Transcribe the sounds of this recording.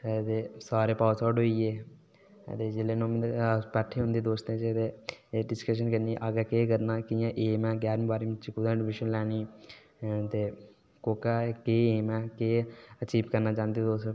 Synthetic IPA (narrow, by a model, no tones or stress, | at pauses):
t̪eːsaːɾeːpaːsɔːɖoːiːeː | t̪eːd͡ʒɪleːnõːmpɛːʈʰːeːɦʊ̃nd̪eːd̪oːst̪ẽːt͡ʃet̪eːɖɪskəʃ̬ənkəniʔaːɡaːkeːkəɾnaːkɪjãːʔeːmɛ̃ːɡɛːɾmĩbaːɾiːmɪt͡ʃikʊd̪ãːɖɪʋɪʃənlɛːniː | t̪eː | koːkaːkeːeːmɛ̃ːkeːət͡ʃiːbkəɾnaːt͡ʃãːnd̪id̪oːs